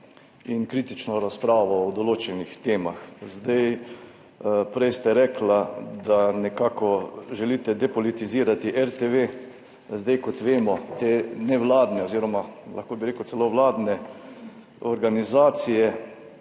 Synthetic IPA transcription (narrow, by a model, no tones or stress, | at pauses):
inkɾiːt̪it͡ʃnɔɾaspɾaːʋɔɔd̪ɔloːt͡ʃɛnixt̪eːmaxzd̪aj | pɾɛjst̪aɾɛklad̪anɛkaːkɔʒɛliːt̪ɛd̪ɛpɔlit̪iziːɾat̪iʔɛɾt̪eʋeː | zd̪ajkɔt̪ʋeːmɔt̪eːnɛʋlaːd̪nɛɔziːɾɔmala̰xkoːbiɾeːkʊt̪sɛloʋlaːd̪nɛ | ɔɾɡanizaːt̪sijɛ